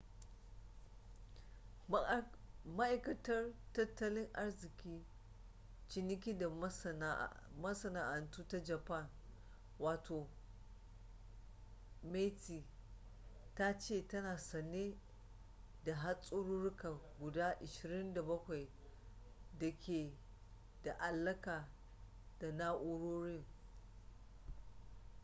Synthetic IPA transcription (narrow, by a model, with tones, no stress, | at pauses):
ma˦ʔa˨jkɐ˨tɐ˦rtɐ˦tːɐ˦lɪ˦ŋʔa˦rzɪ˨kʲiː˦ | t͡ʃɪ˨nɪ˦k̬ʲiː˦da˨˦ | mɐ˦sɐ˨naː˨ʔa˨ntuː˦ta˦d͡ʒɐ˨pa˦˨n | waː˨tʰoː˨ | me˦tiː˨ | ta˦t͡ʃeː˦˨tɐ˦naː˨sɐ˨neː˦ | da˨ɦa˦sʼʊ˦ɽu˦ɽʊ˦ka˨ɡʷʊ˨daː˦ʔɪ˨ʃɪ˨ɾɪ˦nda˨bɐ˦kʷa˨j | dɐ˨kʲʰeː˨ | da˨ʔa˨lːɐ˦kaː˨ | d̥a˨naː˦ʔʊ˦ɽoː˦ɽɪ˦ŋ